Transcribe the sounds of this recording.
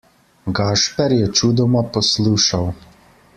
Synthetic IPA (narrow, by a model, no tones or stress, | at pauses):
ɡɑːʃpʲɛɾjɛt͡ʃʲuːd̪ɔmɐpɔslˠuːʃɐw